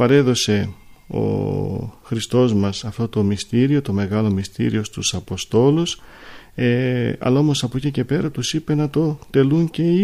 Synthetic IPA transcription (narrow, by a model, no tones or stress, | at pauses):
pɐɾe̞ðo̞se̞ | o̞̰ | xɾist̪o̞zmɐsɐft̪o̞t̪o̞mist̪iɾio̞t̪o̞me̞ɣɐlo̞mist̪ḭɾio̞st̪usɐpo̞st̪o̞luseɐ̰lɐo̞mo̞sɐpo̞cice̞pe̞ɾɐt̪usipe̞nɐt̪o̞t̪e̞luɲce̞i